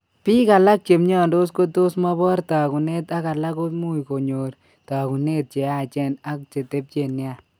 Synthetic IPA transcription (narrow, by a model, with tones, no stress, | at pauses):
pi˦ka˨la˦k̚t͡ʃe˨mɲɔ˦ndo˦s̬ko˦to˦sma˦bɔ˦ɾta˨ku˨ne˦ta˦ka˨la˦ko˦mu˦jko˨ɲo˨ɾ | ta˨ku˨ne˦t̚t͡ʃe˨a˨t͡ʃɛ˦na˦k̚t͡ʃe˨te˦p̚t͡ʃe˨nːja˦˨